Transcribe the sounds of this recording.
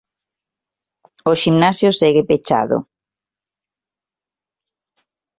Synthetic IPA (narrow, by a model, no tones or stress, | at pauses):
oʃimnasjoseɣepet͡ʃa̰ðo̰